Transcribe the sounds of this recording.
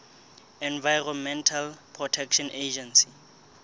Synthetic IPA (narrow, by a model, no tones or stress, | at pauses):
ɛnvajrɔnmɛntʰalpʰrɔtʰɛkʰʃɔned͡ʒɛnsi̥